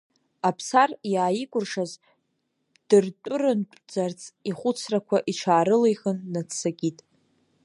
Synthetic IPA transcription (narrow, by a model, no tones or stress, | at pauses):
apʰsarjaːjikʷʼʊrʂaz | d̥ɨrtʷʼʊrɨntʼd͡zart͡sʰiχʷʊt͡sʰrakʷʰaʔiʈ͡ʂʰaːɾɨlejχənːat͡ssaɡʲʼitʼ